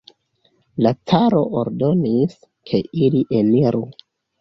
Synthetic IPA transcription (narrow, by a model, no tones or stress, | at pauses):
lat͡saɾo̞ʔoɾdo̞nis | kʰe̞iliʔe̞niɾʔu